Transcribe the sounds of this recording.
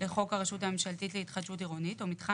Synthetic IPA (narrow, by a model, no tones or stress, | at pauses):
leχo̞kaʁeʃutame̞mʃaltitleit̪χad̪ʃutiʁonitomit̪χa